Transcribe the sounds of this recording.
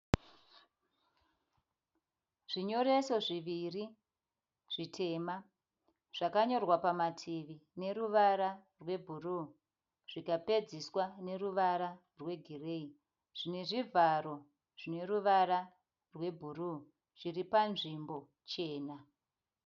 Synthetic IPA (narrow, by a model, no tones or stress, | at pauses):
ʐ̥iɲo̞ɾe̞so̞ʐiʋiri | ʐ̥itʰe̞ːma | ʐ̥akaɲo̞rwapamatʰiʋine̞ɾuʋaɾarwe̞bʱuruː | ʐ̥ikape̞d͡ziswane̞ruʋaɾa | rwe̞ɡʱire̞i | ʐ̥ine̞ʐivʱaro̞ | ʐ̥ine̞ruʋaɾa | rwe̞bʱuru | ʐ̥iripanʐimbo̞ | t͡ʃe̞ːna